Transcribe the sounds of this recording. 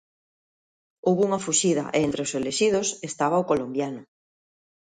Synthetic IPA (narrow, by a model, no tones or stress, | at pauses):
owβuŋɐfuʃiðɐ̰ʔḛent̪ɾeoseleʃið̞osest̪aβaokolombjanʊ